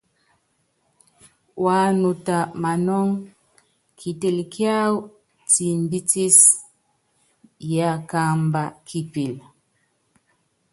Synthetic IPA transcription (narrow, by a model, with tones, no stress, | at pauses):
wa˦nu˨ta˨ma˨nɔ˦ŋ | kʰi˨ti˨lki˦a˦w | ti˨mbi˦ti˦s | ja˨ka˦mba˨kʰi˦pi˨l